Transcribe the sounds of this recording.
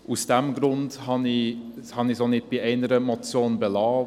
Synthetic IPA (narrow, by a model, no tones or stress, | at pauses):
ʔʊsd̥̪ɛmɡɾʊndhɑniːhɑniːsoːnɪt̪̚b̥iːeɪnəɾəmɔt͡sjoːnbəlɑː